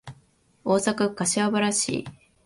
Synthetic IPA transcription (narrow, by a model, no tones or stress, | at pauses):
o̞ːsakakaɕiabaɾaɕḭː